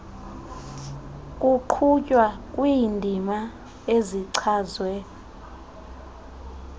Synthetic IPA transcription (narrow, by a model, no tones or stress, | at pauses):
kʼuǃʰucʼwakʼwiːndʱima | eziǀʰaːzwɛ